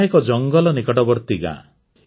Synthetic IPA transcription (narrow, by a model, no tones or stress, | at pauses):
ɦekɔd͡ʒɔŋɡɔlɔnikɔʈɔbɔɾt̪iɡã̰